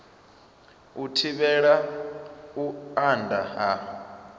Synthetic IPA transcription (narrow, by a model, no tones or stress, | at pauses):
utʰiɓɛɺa | uandʱaɦa